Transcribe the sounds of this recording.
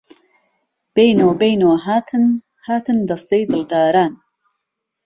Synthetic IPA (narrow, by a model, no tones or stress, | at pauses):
b̥ejnoːbejnoːɦaːt̪ʰɨn | haːt̪ɨnd̪ɐst̪ejd̪ɨld̪aːɾaːn